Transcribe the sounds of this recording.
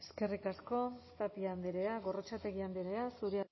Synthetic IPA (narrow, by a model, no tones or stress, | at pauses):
eske̞rikasko̞st̪apiand̪eɾeaɣo̞ro̞t͡ʃat̪e̞ɣiand̪eɾeasuɾea